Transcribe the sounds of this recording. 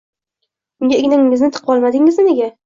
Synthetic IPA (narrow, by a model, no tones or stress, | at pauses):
ʊŋɡʲaɪɡʲnɪŋːɪznɪt̪ʰɨ̥qʰpɒlˠmad̪ɪŋɪzmɪneɡʲa